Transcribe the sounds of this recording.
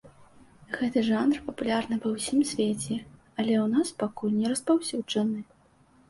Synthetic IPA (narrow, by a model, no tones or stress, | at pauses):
ɣɛt̪ɨʐanrpɐpulʲarnɨpɐwsʲimsʲvʲet͡sʲɛ | ɐlʲɛwnaspakulʲnʲɛɾɐspawsʲud͡ʐɐnɨ